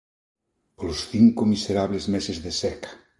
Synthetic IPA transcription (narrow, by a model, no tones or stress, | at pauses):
polosθiŋkomiseɾaβlezmesezðesɛkḁ